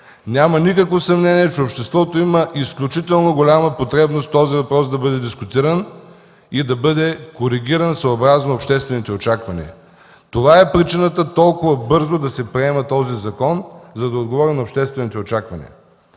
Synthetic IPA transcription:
nʲamɐnikəkvosɐmnɛniɛt͡ʃɛopʃt̪ɛst̪vɔt̪oiməʔisklʲut͡ʃit̪ɛlˠnoɡolʲaməpot̪ɾɛbnost̪t̪ɔzivɐpɾɔsd̪ɐbɤd̪ɛd̪iskʊt̪iɾən | id̪ɐbɤd̪ɛkoɾiɡʲiɾənsɐːbɾaznoːpʃt̪ɛst̪vɛnit̪ɛot͡ʃakvɐnḭ | t̪ovaɛpɾit͡ʃinət̪ət̪ɔlˠkʊvɐbɤɾzod̪ɐsɛpɾiɛmɐt̪ɔzizɐkɔnzɐd̪ɐod̪ɡovɔɾinɐopʃt̪ɛst̪vɛnit̪ɛot͡ʃakvɐnʲḭə̰

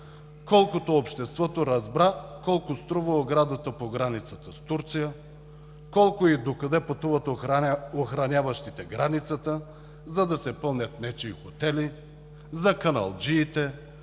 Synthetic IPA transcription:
kɔlˠkot̪oːpʃt̪ɛst̪vɔt̪oɾɐzbɾakɔlˠkost̪ɾɔvəoɡɾad̪ət̪əpoɡɾanit̪sət̪əst̪uɾt̪sijə | kɔlˠkʊid̪okɐd̪ɛpɐt̪uvɐt̪oxɾɐnʲjavɐʃt̪it̪ɛɡɾanit̪sət̪ə | zɐd̪ɐsɛpɤlˠnʲɐt̪nɛt͡ʃiixot̪ɛli | zɐkɐnɐ̰lˠd͡ʒiːt̪ɛ

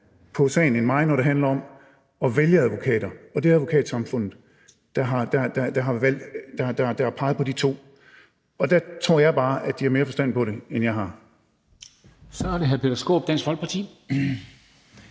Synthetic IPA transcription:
pʰɒ̽sɛ̰ːɪnenmɑ̈ɪ̰nɒɾ̥e̝ɦænlɐɒ̽m | ɒ̽ʋeljəæðˠʋo̝kʰɛ̰ːd̥ɐɒ̽d̥e̝æðˠʋo̝kʰɛ̰ːd̥sɑ̈mfɔ̽n̰ð̩ˠ | d̥ɑɦɑ̈d̥ɑd̥ɑd̥ɑ̈ɦɑ̈ʋæl̰d̥d̥ɑd̥ɑ̈hd̥ɑ̈ɑ̈pʰɑ̈ɪð̞̩ˠpʰɒ̽d̥it͡sʰo̝̰ː | ɒ̽d̥æt͡sʰʁo̝ɐ̰jɑ̈ɪb̥ɑ̈ːʔæd̥iæɐme̝ːɐfɒ̽sd̥æn̰d̥̚pɒ̽ɾe̝enjɑ̈ɪɦɑ̈ | sɒæɐd̥eɦæɐpʰed̥ɐsɡ̥o̝̰ːb̥d̥æn̰sfɒ̽l̥̚pʰɑ̈t͡sʰḭː

